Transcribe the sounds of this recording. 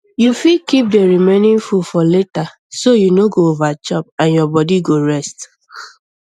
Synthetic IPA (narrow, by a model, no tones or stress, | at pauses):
jufikip̚deɹimẽnɪ̃nfufɔleta | sojunoɡoovat͡ʃɔpãnjɔbɔdiɡoɹɛst